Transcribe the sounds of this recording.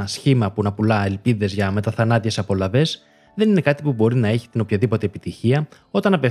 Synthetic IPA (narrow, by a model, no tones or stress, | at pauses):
ɐsçimɐpunɐpulɐe̞lpiðe̞zʝɐme̞t̪ɐθɐnɐt̪ie̞sɐpo̞lɐve̞z | ðe̞nine̞kɐt̪ipubo̞ɾinɐe̞çi̥t̪ino̞pçɐðipo̞t̪e̞ːpit̪içiɐ | o̞t̪ɐnɐpe̞